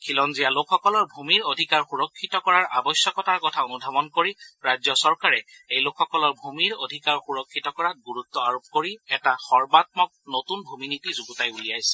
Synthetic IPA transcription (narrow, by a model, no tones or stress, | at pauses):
kʰilɔnzijalokʰxɔkɔlɔɹbʱumiɹodʱikaɹxuɹɔkʰːitɔkɔɹaɹʔabɔsjɔkɔtaɹkɔtʰaonudʱamɔnkoɹiɹajzɔsɔɹkaɹɛ | ejlokʰxɔkɔlɔɹbʱumiɹodʱikaɹxuɹɔkʰːitɔkɔɹat̚ɡuɹutːɔaɹop̚koɹiɛtaxɔɹbat̚mɔk̚notunbʱuminitizuɡutajuliajsɛ̥